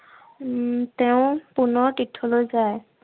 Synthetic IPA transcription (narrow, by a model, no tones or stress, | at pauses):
tɛʊ̃pʊnɔɹtitʰːɔlojzaj